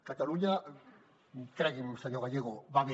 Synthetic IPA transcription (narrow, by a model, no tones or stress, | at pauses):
kat̪aɾuɲa | keɾaɡimsajoɣajeɣobaβe